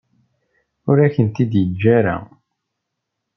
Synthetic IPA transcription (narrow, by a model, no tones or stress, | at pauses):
ʊɾæçənt̪id̪jəd͡ʒːæɾa̰